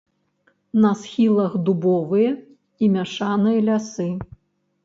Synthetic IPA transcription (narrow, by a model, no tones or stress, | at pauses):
nɐsxʲilˠɐxd̪ubɔvɨjɐ | imʲaʂanɨjɐlʲasɨ